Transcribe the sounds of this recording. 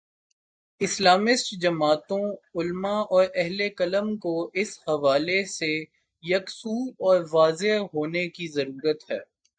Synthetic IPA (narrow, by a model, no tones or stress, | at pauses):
ɪslaːmɪsʈd͡ʒɐmaːt̪õʊlmaʔɔːɾɛɦlekɐləmkoɪshɐʋaːlese | jɐksuːd̪ɔːɾʋaːzeɦɦoːnekizɐɾuːɾət̪hɛ̰ː